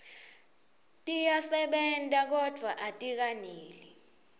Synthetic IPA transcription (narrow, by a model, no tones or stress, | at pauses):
tʼijasɛɓɛntʼak̬ɔd̥ʱwaʔatʼik̬aniːli